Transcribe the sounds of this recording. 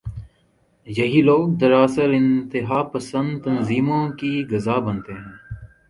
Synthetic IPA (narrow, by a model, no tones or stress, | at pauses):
jɐɦiloːɡ̚d̪əɾaːsəɾɪ̃nt̪ɪɦaːpəsə̃nd̪t̪ənziːmõkiɡɐzaːbənt̪eɦɛ̃ː